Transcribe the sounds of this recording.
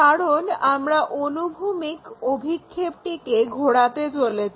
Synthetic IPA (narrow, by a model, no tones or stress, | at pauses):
kaɾonamɾaʔonubʱumikobʱikʰːeb̚ʈikeɡʱoɽat̪et͡ɕolet͡ɕʰ